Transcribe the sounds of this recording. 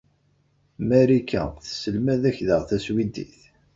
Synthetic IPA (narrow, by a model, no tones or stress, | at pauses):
mæɾikːæ̰θə̥səlmæðæçðəʁθæswid̪ḭθ